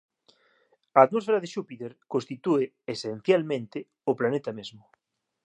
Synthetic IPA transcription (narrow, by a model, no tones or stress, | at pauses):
ɐːt̪mosfeɾaðeʃupit̪eɾkõnst̪it̪ue | esenθjalmẽnt̪ɪ | oplanet̪ɐmezmʊ